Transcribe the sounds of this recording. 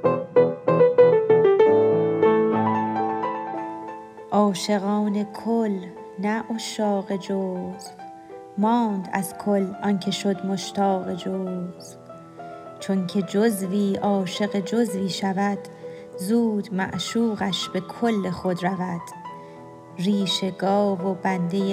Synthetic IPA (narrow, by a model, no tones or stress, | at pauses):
ʔɒːʃe̞ɣɒːne̞kʰol | næʔoʃɒːɣe̞d͡ʒoːz | mɒːnd̪æz̥kʰolʔɒncʰe̞ʃod̪mo̞ʃt̪ʰɒːɣe̞d͡ʒoːz | t͡ʃʰoŋcʰe̞d͡ʒozviːʔɒːʃe̞ɣe̞d͡ʒozviːʃævæd̪̥ | zuːd̪̥mæ̰ʔʃuːɣæʃbe̞kʰolːe̞xod̪ɾævæd̪̥ | riːʃe̞ɡɒːvo̞bænd̪ej